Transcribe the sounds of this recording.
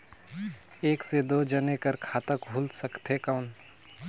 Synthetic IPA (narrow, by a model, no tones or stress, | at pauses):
eːksed̪oːd͡ʒənekəɾkʰaːt̪əkɦuːlsəkt̪ɦekaʊn